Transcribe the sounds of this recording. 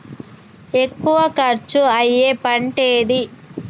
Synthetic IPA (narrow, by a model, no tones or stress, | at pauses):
e̞kːuʋɐkɐɾt͡ʃuɐjːeːpɐɳʈeːd̪i